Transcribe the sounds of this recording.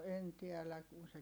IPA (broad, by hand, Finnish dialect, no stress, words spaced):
en tiɛlæ kun se